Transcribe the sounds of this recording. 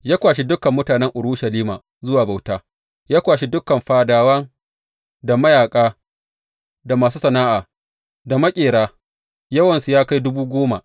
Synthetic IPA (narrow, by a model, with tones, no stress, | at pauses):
jaː˦kʷaː˨ʃ̬i˦dʊ˦kɐ˨mːʊ˦taː˨nɛ˦ŋʔʊ˨ɽʊ˦ʃɐ˨liː˦maː˨ | zʊ˦waː˨ba˨wtaː˦ | jaː˦kʷaː˨ʃi˦dʊ˦kɐ˨mɸaː˨daː˨wɐ˦ŋ | da˨mɐ˦jaː˨kʼaː˦ | da˨maː˨suː˦sɐ˨naː˦ʔaː˨ | da˨mɐ˦kʲʼeː˨ɽaː˦ | jɐ˦wɐ˨nsu˨jaː˦ka˦jdʊ˦buː˦ɡʷoː˦ma̰˨ʔ